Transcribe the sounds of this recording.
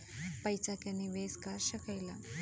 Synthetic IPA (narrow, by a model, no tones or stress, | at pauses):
pɐjt͡ʃakaniʋeːskaɾɕɐkɐjla